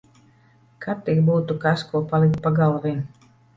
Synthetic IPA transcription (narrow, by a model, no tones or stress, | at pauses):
kat̪ikbuːt̪ukaskuɔpalˠik̚t̪̚paɡalˠvin